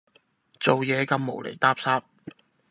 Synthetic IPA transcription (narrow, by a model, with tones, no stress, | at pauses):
t͡so˨wjɛː˨˧kɐ˨˧mːo˨˩wlḛ˨˩jt̪aː˥p̚saː˥p̚